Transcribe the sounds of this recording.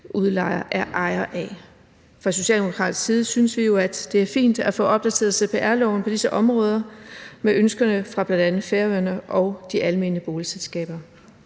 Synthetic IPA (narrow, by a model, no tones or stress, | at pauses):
ʔuðˠlɑ̈ɪɐʔæɐʔɑ̈ɪɐʔæ | fʁɑ̈so̝ɕɛ̰ːld̥emo̝kʰʁɑ̰̈ːd̥̩siːð̞ˠsynəsʋijo̝æd̥d̥e̝æɐfḭːnd̥æfɔ̰̽ːʔɒ̽b̥̚d̥æt͡sʰe̝ːɐðˠsepʰe̝ːʔæɐlɒʊn̩pʰɒ̽d̥isəʔɒ̽mʁɔ̽ːð̞ˠɐmeʔønsɡ̥ɐnəfʁɑ̈b̥lænd̥ænð̩ˠfeɐʋøɐnəʔɒ̽ʊd̥iʔælme̝̰ːnəb̥oːliselsɡ̥ɛ̰ːb̥ɐ